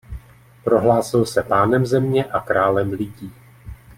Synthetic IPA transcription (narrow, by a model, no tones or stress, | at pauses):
pɾo̞ɦlaːsɪlsɛpaːnɛmzɛmɲɛʔakɾaːlɛmlɪɟiː